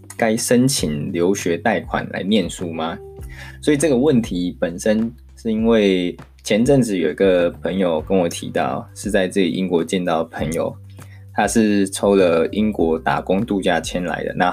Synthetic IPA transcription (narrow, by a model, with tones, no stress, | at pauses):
ka˦ɪʂə˦˥nt͡ɕʰi˨˩nljo˧˥ʊɕɥɛ˨˧˥t̪a˥˩ɪkʰwa̰˨˩nla̰˧˥ɪmjɛ˥˧nsu˥˩ma˨˩swɔ˧˥i˨˩ʈ͡ʂɤ˥ɡə˨wə˥˨˩nt̪ʰi˨˦pə˨˩nʂə˦˥n | ʂɻ̩˥˩i˥nwe˥˩ɪ | t͡ɕʰjɛ˧˥nʈ͡ʂə˥˩ŋʈ͡ʂɻ̩˨˩˦jo˨˩ʊi˧˥ɡə˧pʰə˧˥ŋjo˨˩ʊkə˦˥nwɔ˨˩t̪ʰḭ˧˦˥t̪ɑ˥˩ʊʂɻ̩˥˧t͡sa˥˧ɪt͡sɤ˥˩lḭ˨ʔi˦nkwɔ˧˥t͡ɕjɛ˥˧nt̪ɑ˥˩ʊpʰə˧˥ŋjo̰˨˩ʊ | t̪ʰa˦ʂɻ̩˥˩ʈ͡ʂʰo˥ʊlə˨i˦nkwɔ˧˥t̪a̰˨˩kʊ˥ŋt̪u˥˧t͡ɕja˥˧t͡ɕʰjɛ˥nla̰˧˥ɪd̪ə̰˦na˥˧